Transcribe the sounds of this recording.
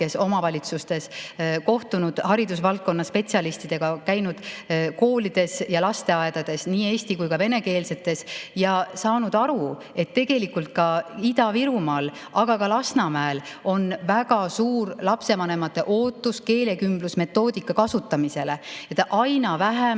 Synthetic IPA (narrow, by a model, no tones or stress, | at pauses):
ke̞so̞mɑvɑlʲit̪sust̪e̞sko̞ht̪unud̪̥hɑɾid̪usvɑlt̪̚ko̞nːɑsːpe̞t̪ʲsiɑlist̪id̪̥e̞ɡ̥ɑkæjnud̪̥ko̞ːlid̪̥e̞sjɑlɑst̪e̞ɑe̞d̪̥ɑd̪̥e̞sniːe̞ːst̪ikujkɑve̞ne̞ke̞ːlse̞t̪ːˑe̞sjɑsɑːnud̪̥ɑɾu | e̞t̪ːe̞ɡ̥e̞likult̪̚kɑid̪ɑviɾumɑl | ʔɑɡ̥ɑkɑlɑsnɑmæelo̞nvæɡ̥ɑsuːrlɑpse̞mɑne̞mɑt̪ːˑe̞ʔo̞ːt̪ːˑuske̞ːle̞kymblusme̞t̪ːˑo̞ːd̪̥ikːˑɑkɑsut̪ːˑɑmise̞le̞et̪ʔɑjnɑvæɦæ